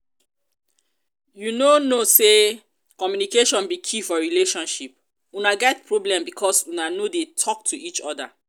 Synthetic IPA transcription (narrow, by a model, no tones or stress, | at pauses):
junonose | kɔmjunikeʃɔ̃nbikʰifɔɹileʃɔ̃nʃip̚ | unaɡɛtpʰɹɔblɛ̃mbikʰɔsunanodetʰɔk̚tʰuit͡ʃɔda̰